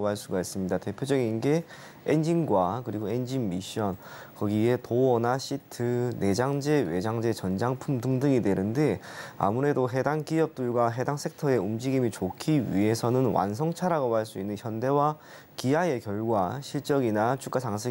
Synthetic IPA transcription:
baɭs͈uɡais͈ɯmɲidate̞pʰjod͡ʑʌɡinɡe̞ | end͡ʑinɡwakɯɾiɡoe̞nd͡ʑinmiɕ͈ʌn | kʌɡie̞toʌnaɕʰitʰɯne̞d͡ʑaŋd͡ʑe̞we̞d͡ʑaŋd͡ʑe̞t͡ɕʌnd͡ʑaŋpʰumdɯŋdɯŋidwe̞nɯnde̞a̰muɾe̞doɦe̞daŋk͈iʌp̚t͈ɯɭɡwaɦe̞daŋs͈ʰe̞k̚tʰʌe̞umd͡ʑiɡimit͡ɕokʰiɥḭɦe̞sʰʌnɯnwa̰nsʰʌŋt͡ɕʰaɾaɡobaɭs͈uinːɯnçjʌnde̞wa | kiaje̞kjʌɭɡwaɕʰiɭt͡ɕ͈ʌɡinat͡ɕʰuk͈at͡ɕaŋsʰɯ

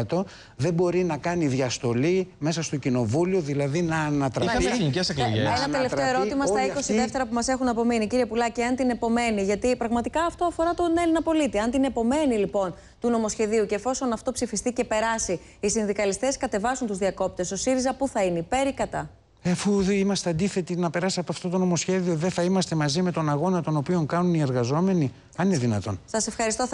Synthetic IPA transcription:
t̪o̞ | ðe̞bo̞ɾinɐkɐniðʝɐst̪o̞lime̞sɐst̪o̞cino̞vulioðilɐðinɐːnɐt̪ɾɐiɐnicesekloʝeenɐt̪elefeoe̞ɾo̞t̪imɐsst̪ɐiko̞siðeft̪e̞ɾɐpumɐse̞xunɐpo̞miniciɾiepulɐcɐnt̪ine̞po̞me̞niʝɐt̪ipɾɐɣmɐt̪ikɐːft̪o̞ɐfo̞ɾɐt̪o̞ne̞linɐpo̞lit̪iɐnt̪inepo̞me̞nilipo̞n | t̪uno̞mo̞sçe̞ðiuce̞ːfo̞so̞nɐft̪o̞psifist̪ice̞pe̞ɾɐsiː | sinðikɐlist̪e̞skɐt̪e̞vɐsunt̪uzðiɐko̞p̚t̪e̞so̞siɾizɐpuθɐineipe̞ɾikɐt̪ɐ | efuimɐst̪eɐnd̪iθe̞t̪inɐpe̞ɾɐsiɐpoɐft̪o̞t̪o̞no̞mo̞sçe̞ðioðeθɐimɐst̪e̞mɐzime̞t̪o̞nɐɣo̞nɐt̪o̞no̞pio̞ŋkɐnunie̞ɾɣɐzo̞me̞ni | ɐnineðinɐt̪o̞̰nsɐse̞fxɐɾist̪o̞

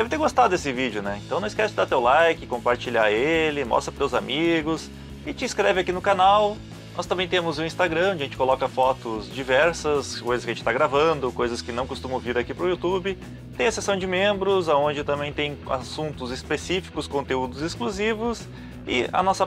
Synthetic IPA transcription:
d̪ɛvɪt̪eɾɡost̪ad̪ʊd̪esɪvid͡ʒɪʊnɛẽnt̪ɐ̃w̃nɐ̃wɪskɛst͡ʃɪd̪at̪ewlajkɪkõmpaɾt͡ʃiʎa̰ɾelɪmɔ̰st̪ɾɐpt̪ewzamiɡʊs | ɪt͡ʃɪĩskɾɛvɪakinʊkanaw | nɔst̪ɐ̃mbẽj̃t̪ẽmʊzʊ̃ĩst̪aɡɾɐ̃õd͡ʒɐʒẽnt͡ʃɪ̥kolɔkɐfɔt̪ʊzd͡ʒivɛɾsɐskojzɐskɪɐʒẽt͡ʃɪ̥t̪aɡɾavɐ̃d̪ʊkojzɐskɪnɐ̃w̃kost̪ũmʊviɾakipɾʊiut̪ubɪ | t̪ẽj̃ɐsesɐ̃w̃d͡ʒɪmẽmbɾʊzaõɲd͡ʒɪt̪ɐ̃mbẽj̃t̪ẽj̃a̰sũnt̪ʊzɪspesifi̥kʊskõnt̪eud̪ʊzɪskluzivʊs | ɪ̰ɐ̰nɔsɐ

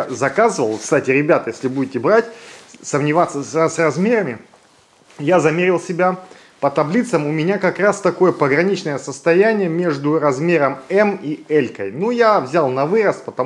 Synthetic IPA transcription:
zɐkazɨvəlˠkst̪atʲɪɾʲɪbʲat̪jesʲlʲɪbudʲɪtʲɪbɾatʲsəmnʲɪvat̪səsʲɐsrɐzmʲe̞ɾəmʲɪ | jazɐmʲeɾʲɪlˠsʲɪbʲa | pət̪ɐblʲit̪səmʊmʲɪnʲakɐkɾast̪ɐko̞jəpəɡɾɐnʲit͡ɕnəjəsəst̪ɐjænʲɪjəmʲe̞ʐd̪ʊɾɐzmʲeɾəmɛmiɛlʲkəjnujavzʲalˠnɐvɨɾəspət̪ɐ

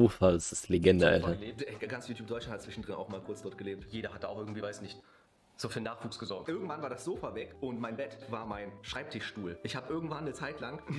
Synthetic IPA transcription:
oːfasɪsleɡɛndəʔa̰ltɐɡant͡sjuːtʰuːp̚dɔʏlanhʰatt͡sv̥ɪʃn̩dʁɪnʔa̰ʊxmaːlkʰʊɐt͡sd̥ɔɐt̚ɡ̥əleːp̚tjeːɾɐhatəaʊxɪɡŋ̩tv̥iːvaɪsnɪçt | z̥oːfiːɐnaːχv̥uːksɡ̥əzɔɐk̚tʔɪɐɡŋ̩tv̥anvaːɐdasz̥oːfavɛkʔʊntmaɪnbɛtvaːɐmaɪnʃʁ̥aɪp̚tʰɪʃʃtuːlʔɪçhaːbəʔɪɐɡŋ̩tv̥anːət͡saɪtlaŋ

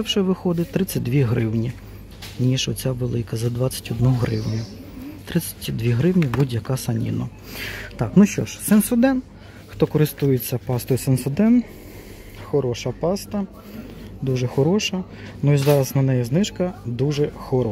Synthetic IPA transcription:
ɛwʃɛʋɪxɔd̪ɪt̪ɾɪt͡sʲːɐt̚ʲd̪ʋʲiɦɾɪwnʲi | nʲiʃɔt͡sʲaʋelˠɪkɐzɐd̪ʋɑt͡sʲːɐ̥tʲɔd̪nɔɔɦɾɪ̰wnʲʊ | t̪ɾɪt͡sʲɐ̥tʲd̪ʋʲiɦɾɪwnʲibud̪ʲjɐkɑsɐnʲḭnɐ | t̪ɑknuʃt͡ʃɔ̰ʃsɛnsʊd̪ɛn | xt̪ɔkɔɾɪst̪ujet͡sʲːɐpɑst̪ɔjisɛnsɔd̪ɛn | xɔɾɔʃɐpɑst̪ɐ | d̪uʒɛxɔɾɔʃɐ | nʊizɑɾɐsnɐnɛjɛznɪʃkɐd̪uʒɛxɔɾɔ

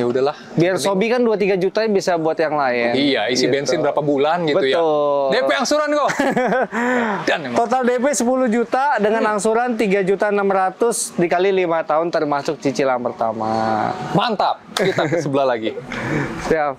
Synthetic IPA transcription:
ɲaudahlah | biarsobikanduat̪iɡad͡ʒut̪aɲbisabuat̪jaŋlaɪnijaiitbɛnsɪnbəɾapabulanɡitbəuj̪ʊdepeaŋsuɾanɡo | dant̪ot̪aldepesəpulʊhd͡ʒut̪adəŋanaŋsuɾant̪iɡad͡ʒut̪anamɾat̪ʊsdikalilimat̪aɦʊnt̪ərmasʊk̚t͡ʃit͡ʃilampərt̪ama̰mant̪ap̚kit̪asəbəlahlaɡisiap

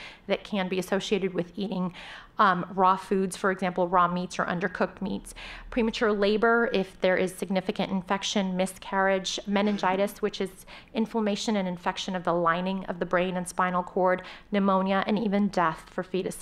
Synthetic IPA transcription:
ðɨt̚kʰɨ̃nbiɨsoʊʃieɪɾɨd̚wɨðiɾɪ̃ŋ | ɹɔfʉdz̥fə˞ɨɡzæ̃mpl̩ˠɹɔmitsə̰˞ʔʌ̰̃ndə˞kʰʊk̚t̚mḭtspʰɹ̥imɨt͡ʃʰʊɹleɪbə˞ɪfðə˞ʔɪz̥sɨɡ̚nɪfɨkɨ̰̃ntɨ̃nfɛkʃɨ̃nmɪskʰɛɹɪd͡ʒmɛ̃nɨ̃nd͡ʒaɪɾɨswɨt͡ʃɨz | ɪ̃ɱfləmeɪʃɨ̃nɨ̃nɨ̃ɱfɛkʃɨ̃nʌvðəlãɪ̃nɪ̃ŋʌ̰vðɨbɹẽɪ̃nɨ̃nspãɪ̃nl̩ˠkʰɔɹdnɨmõʊ̃njɨʔɨ̰̃nivɨ̃ndɛθfə˞fiɾɨs

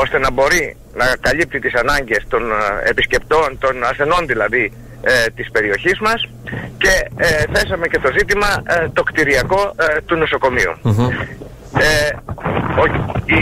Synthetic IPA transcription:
o̞st̪e̞nɐbo̞ɾi | nɐkɐʎip̚t̪it̪isɐnɐɲɟe̞st̪o̞ne̞̰pisce̞pt̪o̞nt̪o̞nɐsθe̞no̞nðilɐði | t̪ispe̞ɾio̞çizmɐs | ce̞θe̞sɐme̞ce̞t̪o̞zit̪imɐt̪o̞kt̪iɾiɐko̞t̪uno̞so̞ko̞miṵ | o

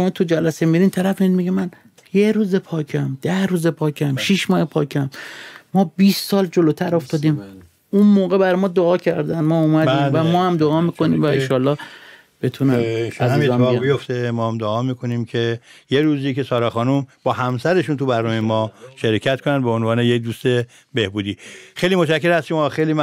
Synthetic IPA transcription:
ʃomɒːt̪ʰud͡ʒælæsemiɾiːnt̪ʰæɾæfmiid̪miɟemæn | jeɾuːzepʰɒːkʰæmd̪̥æhɾuːzepʰɒːkʰæmʃʃiʃmɒːhepʰɒːkʰæmːɒːbiːst̪sɒːld͡ʒoloːt̪ʰæɾoft̪ɒːd̪iːm | unmoːɣebæɾmɒːd̪oɒːcʰæɾd̪ænd̪mɒːumæd̪iːmvæmɒːhæmd̪oɒːmiːkʰo̞niːmvæenʃɒːlːɒː | b̥e̞t̪ʰunææzizɒmbijoft̪emɒːhæmd̪oɒːmiːkʰoniːmcʰejeɾuːziːke̞sɒːɾɑːxɒːnumb̥ɒːhæmsæɾe̞ʃunt̪ubæɾnɔːmejemɒːʃeɾekcʰæt̪kʰonænd̪beonvɒːnejek̚d̪uːst̪e̞ | behbuːd̪iːxejliːmot͡ʃæcːeɾhæst̪omːxejlim

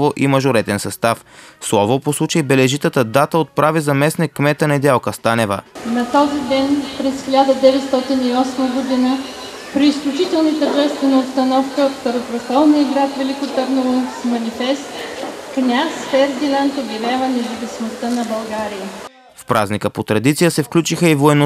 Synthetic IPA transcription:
voʔimɐʒʊɾɛt̪ɛnsɐst̪afslˠɔvoposlˠut͡ʃəibɛlɛʒit̪ət̪əd̪at̪əot̪̚pɾavizɐmɛsnikːmɛt̪ənɐd̪ʲalˠkəst̪anɛvə̰nɐt̪ɔzid̪ɛnpɾɛsxilʲad̪əd̪ɛvɛt̪st̪ɔt̪iniɔsməɡʊd̪inə | pɾiːsklʲut͡ʃit̪ɛlˠnit̪əʒɛst̪vɛnəopst̪ɐnɔfkəft̪ɐɾop̪ɾɐxalˠniiɡɾat̪vɛlʲikʊt̪əɾnovonsmɐnʲifɛst̪ | knʲasfɛɾd̪inant̪oɡʲilʲɛvənɛzɐvisimost̪ənɐbɐlˠɡaɾiə | fpɾa̰znikəpot̪ɾɐd̪it̪sijəsɛfklʲut͡ʃixəivoɛno

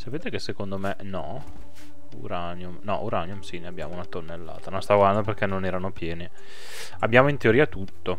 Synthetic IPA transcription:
sapeːt̪ekesːekond̪omenɔ | ṵɾanjumnɔʔuɾanjumsineabja̰ːmounat̪onːelːa̰ːt̪anõnst̪avowland̪operk̟ɛnːonɛːɾanopjɛːni | abːjaːmoint̪eoɾiːat̪ut̪ːo

